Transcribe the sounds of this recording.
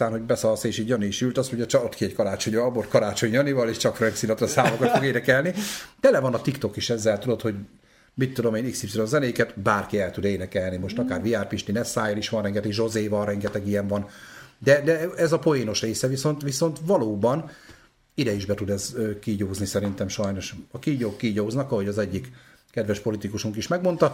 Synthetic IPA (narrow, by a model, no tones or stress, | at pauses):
aːnho̞ɟbɛsɒlseːʃiːɟjɒniːʃylt̪ɒst̪moɲɟɒt͡ʃɒot̪kiɛckɒɾaːt͡ʃo̞ɲvɒbort̪kɒɾaːt͡ʃo̞ɲjɒnivɒleːʃt͡ʃɒkfrɛnk̪sinɒt̪ɒsaːmokɒtt̪foɡeːnɛkɛlnid̪ɛlɛvɒnɒt̪ikt̪o̞kiʃɛzːɛlt̪ud̪o̞t̪ho̞ɟ | mit̪ːud̪o̞meːniksipsionzɛneːkɛt̪baːrkiɛlt̪ud̪eːnɛkɛlnimo̞ʃt̪ɒkaːrviaːrpiʃt̪inɛsaːjoliʃʋɒnrɛŋɡɛt̪ɛɡʒo̞zeːvɒlrɛŋɡɛt̪ɛɡijɛɱvɒnd̪ɛd̪ɛɛzɒpo̞eːno̞ʃreːsɛviso̞nt̪ʋiso̞nt̪ʋɒloːbɒn | id̪ɛiʒbɛt̪ud̪ɛzøːkiɟoːznisɛɾint̪ɛmʃɒjno̞ʃɒkiɟokːiːɟoːznɒkɒɦo̞ɟɒzɛɟːik | kɛd̪vɛʃpo̞lit̪ikuʃuŋkiʃmɛɡmo̞nt̪ɒ